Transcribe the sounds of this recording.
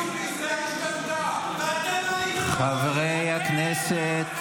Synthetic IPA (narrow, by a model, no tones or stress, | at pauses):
χavʁejhakneset̪